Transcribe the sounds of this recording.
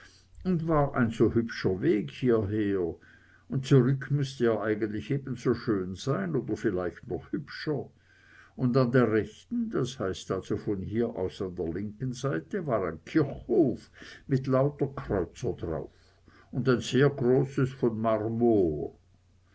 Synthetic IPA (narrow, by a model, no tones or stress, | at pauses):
ʊntvaːʁʔa̰ɪnzoːhʏpʃɐveːkhiːɐɦeːɐ | ʊnt̚t͡suʁʏkʰmʏstəjaːʔaɪɡən̩tlɪçeːbn̩zoːʃøːnz̥aɪnoːdɐfɪlaɪçtnɔχhʏpʃɐ | ʊndandeːɐʁɛçtn̩d̥ashaɪstalz̥ofɔnhiːɐʔa̰ʊsandeːɐlɪŋkənzaɪtəvaːʁaɪnkʰɪɐçhoːfmɪtlaʊtɐkʁ̥ɔʏt͡sɐdʁa̰ʊf | ʊndaɪnz̥eːɐɡʁoːsəsfɔnmaʁmoː